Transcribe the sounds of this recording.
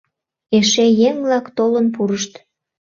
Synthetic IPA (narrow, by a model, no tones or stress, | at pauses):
eʃejeŋvlɑkt̪olənp̬uɾəʃt̪